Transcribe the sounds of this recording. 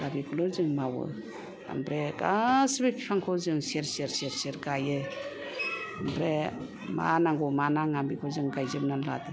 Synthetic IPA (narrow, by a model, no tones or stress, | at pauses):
ɡabikʰulɯɾzɯŋmawɯ̰ | a̰mpʰɾeɡasbipʰipʰaŋkʰɔzɯŋseɾseɾseɾseɾɡajɯ | ambʰɾe | ma̰naŋɡɔmanaŋambikʰɔzɯŋɡajzɯp̚nanladɯ